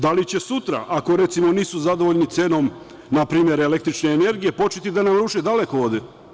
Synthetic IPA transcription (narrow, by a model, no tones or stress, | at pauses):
d̪alit͡ɕe̞sut̪ɾa̰ʔako̞ɾe̞t̪simo̞niːsuzad̪o̞ʋoʎnit̪seːno̞m | napɾiːmʲje̞ɾele̞k̚t̪ɾit͡ʃne̞ːne̞ɾɡije̞po̞t͡ʃet̪id̪anamuʃed̪ale̞kooːd̪e